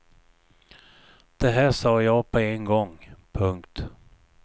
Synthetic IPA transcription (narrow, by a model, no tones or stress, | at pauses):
d̪̥ɛɦæːʂɑːjɑːpʰɔenɡɔŋpʰɵŋkt̪